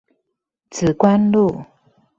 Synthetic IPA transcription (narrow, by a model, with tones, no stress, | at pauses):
t͡sʰɹ̩˨˩kwa˥˦nlu˥˨